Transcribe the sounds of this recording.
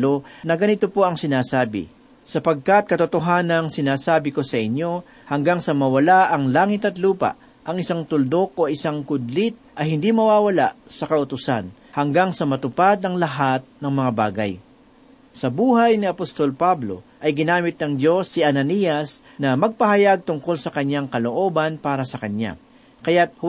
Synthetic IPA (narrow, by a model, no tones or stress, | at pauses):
lonɐɡɐnɪt̪opo̞ʔɐŋsɪnaːsaːbɪ̰ | sɐpɐɡ̚kat̪̚kɐt̪ʊt̪oɦaːnɐŋsɪnaːsaːbɪko̞sɐʔɪɲːo̞ | hɐŋɡaŋsɐmɐwɐlaʔɐŋlaːŋɪt̪ɐt̪luːpɐ̰ʔ | ʔɐŋɪsaŋt̪ʊld̪o̞k̚ʔoʔɪsaŋkʊd̪lɪt̪̚ʔɐhɪnd̪imɐwaːwɐla̰ʔsɐkɐʔʊt̪ʊsa̰n | hɐŋɡaŋsɐmɐt̪ʊpad̪nɐŋlɐɦat̪̚nɐŋmɐŋaba̰ːɡɐ̰j | sɐbuːɦɐjnɪɐpost̪o̞lpablo̞̰ʔɐjɡɪnaːmɪt̪̚nɐŋd͡ʒo̞sːɪʔɐnɐnijɐs | nɐmɐɡ̚pɐɦɐjaɡ̚t̪ʊŋko̞lsɐkɐɲːaŋkɐloʔo̞bɐnpaːɾɐsɐkɐɲːa̰ | kɐjat̪̚h